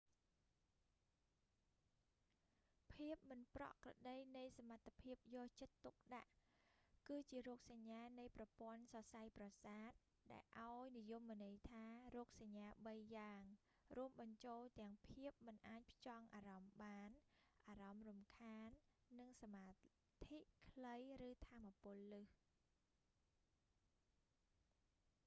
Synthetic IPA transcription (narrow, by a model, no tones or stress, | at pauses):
pʰiəp̚mɨnprɑ̰ʔkrɑ̰ɗəjnɨjsamat̪ʰːapʰiəp̚jɔːht͡ɕət̪ːuk̚ɗaʔ | kɨːt͡ɕiəɾɔːk̚saɲːaːnɨjprɑpŏənsɑsajprɑsaːt̪̚ | ɗaɛlʔaɔjnijumːŏnɨjt̪ʰaːrɔːk̚saɲːaːɓəjːaːŋ | ruəmɓɑɲt͡ɕoːlt̪ɛ̆əŋpʰiəp̚mɨnʔaːc̚pʰt͡ɕɑŋʔaːɾɑmɓaːnʔaːrɑmrumkʰaːnːɨŋsamaː | t̪ʰiʔkʰləjrɨːt̪ʰaːmːapʊ̆əlːɨh